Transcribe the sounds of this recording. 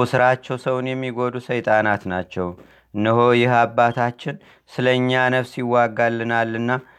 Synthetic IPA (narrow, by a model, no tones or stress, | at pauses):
usɨɾat͡ʃːɛwsəwnjɛmːiɡo̞d̪usəjt̪ʼanat̪nat͡ʃːɛw | ɨnːəɦo̞jɪɦabːat̪ʰat͡ʃːɪn | sɨləɲːanəβsiwːaɡalːɨnalːɨnːa